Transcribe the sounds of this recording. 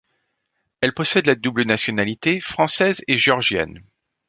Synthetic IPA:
ɛlpɔsɛd̪lad̪ublənasjɔnalit̪efχɑ̃sɛzeʒeɔʁʒjɛ̰n

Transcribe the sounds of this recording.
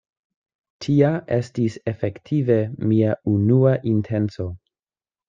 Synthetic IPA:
tʰiaʔe̞stise̞fe̞ktʰive̞miaunuaʔintʰe̞nt͡so̞

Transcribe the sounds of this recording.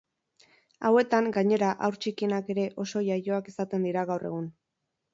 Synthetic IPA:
awe̞t̪aŋɡaɲe̞ɾaʔawɾt͡ʃikinake̞ɾe̞ʔo̞so̞ʝajo̞akisat̪e̞nd̪iɾaɣawre̞̰ɣ̞un

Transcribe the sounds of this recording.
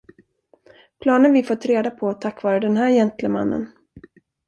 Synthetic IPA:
pʰlɑːnənvɪfɔt̪ːɾeːd̪apʰɔt̪ʰːakːvɑːɾəd̪ɛnɦæːɾjɛnt̪ʰləma̰nːə̰n

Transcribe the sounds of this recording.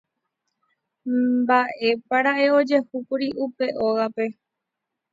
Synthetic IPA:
baʔe̞paɾaʔe̞o̞d͡ʒe̞hupuɾiʔupe̞ʔoɣape̞

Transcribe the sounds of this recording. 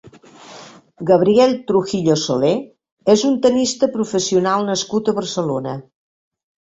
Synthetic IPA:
ɡəβ̞ɾiɛlʲˠt̪ɾuxiʎosole | ezunt̪ənist̪əpɾufəsiunalˠnəskut̪əβərsəlonə

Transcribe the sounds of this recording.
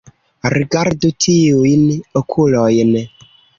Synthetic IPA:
ɾiɡaɾdutʰioiniokʰulɔjenɛ

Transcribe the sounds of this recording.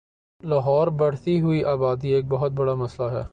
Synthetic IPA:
laːɦɔːɾbɐɽ̤t̪iɦʊiʔaːbaːd̪ieːk̚bɐɦʊt̪̚bɐɽamɐslaɦɛ̰ː

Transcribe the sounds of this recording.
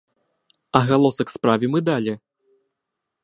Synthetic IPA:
ɐɣalˠɔsɐkspɾavʲimɨd̪alʲi

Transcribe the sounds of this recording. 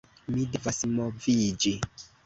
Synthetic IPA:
midevasmovid͡ʒi

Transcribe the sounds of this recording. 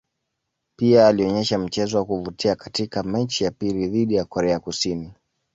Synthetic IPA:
piaːliɔɲɛʃam̩t͡ʃɛzɔwakuvutiakatikamɛɲt͡ʃijapiliðiɗijakɔɾɛakusini

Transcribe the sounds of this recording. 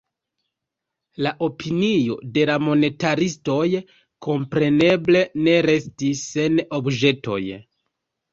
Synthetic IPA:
laʔo̞pʰinijo̞̰de̞lamo̞ne̞taɾisto̞j | kʰo̞mpɾe̞ne̞ble̞ne̞ɾe̞stisːe̞no̞bd͡ʒe̞to̞̰j

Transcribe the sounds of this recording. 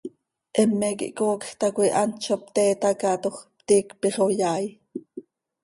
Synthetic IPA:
ʔɛmːɛkḭʔkoːkxt̪ɑkʷuiʔɑnt͡ʃopt̪ɛːt̪ɑkɑt̪oχp̚t̪iːkpiχojɑːj

